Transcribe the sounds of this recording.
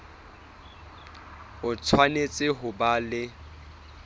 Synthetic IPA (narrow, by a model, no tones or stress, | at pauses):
ʊt͡sʰwanet͡sʼɪɦʊbalɪ